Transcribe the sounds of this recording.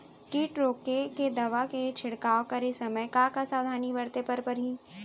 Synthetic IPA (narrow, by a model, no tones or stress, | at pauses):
kiːʈɾoːkeked̪ɐʋaket͡ʃʰɪɽkaːokɐɾesɐməjkakasaːwd̪ʱaːnibɐɾt̪epɐɾpɐɾɦiː